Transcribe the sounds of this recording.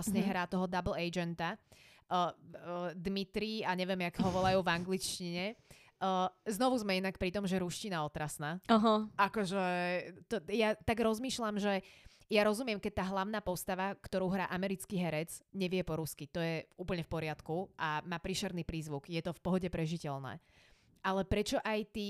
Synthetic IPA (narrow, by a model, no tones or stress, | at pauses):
sɲɛɦɾaːt̪ɔɦɔd̪abl̩ɛd͡ʒɛnt̪a | d̪mit̪ɾiaɲɛʋɪjɛmjakɦɔʋɔlajuːvaŋɡlit͡ʃciɲɛ | znɔʋuzmɛinak̚pɾit̪ɔmʒɛɾuʃcinaɔt̪ɾasnaːaɦɔʔakɔʒɛt̪ɔjat̪aɡɾɔzmiːʃlamʒɛjaɾɔzumɪɛmkɛc̚t̪aːɦlaʊn̪aːpɔst̪aʋakt̪ɔɾuːɦɾaːʔamɛɾit͡skiɦɛɾɛt͡sɲɛʋɪɛpɔɾuskit̪ɔjɛuːpl̩ɲɛfpɔɾɪat̪kuʔamaːpɾiʃɛɾniːpɾiːzʋukjɛt̪ɔfpɔɦɔɟɛpɾɛʒicɛlnɛ̰ː | ʔalɛpɾɛt͡ʃɔʔajt̪iː